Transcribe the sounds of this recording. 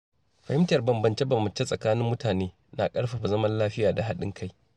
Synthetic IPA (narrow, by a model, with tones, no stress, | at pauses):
ɸɐ˨hɪ˦mtɐ˨rbɐ˨mbɐ˨nt͡ʃe˦bɐ˨mbɐ˨t͡ʃe˦sʼɐ˨kaː˦nɪ˦mːʊ˦taː˨neː˦ | na˨kʼɐ˦ɽɸa˨ɸa˨zɐ˦mɐ˦nlaː˦ɸɪ˦jaː˨da˨ɦa˦ɗɪ̰˦ŋkʰa˦j